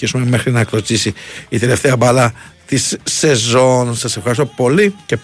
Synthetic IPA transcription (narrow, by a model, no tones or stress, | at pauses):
isume̞me̞xɾinɐklot͡sisiːt̪ele̞ft̪e̞ɐbɐlɐt̪isːe̞zo̞nsɐse̞fxɐɾist̪o̞po̞lice̞p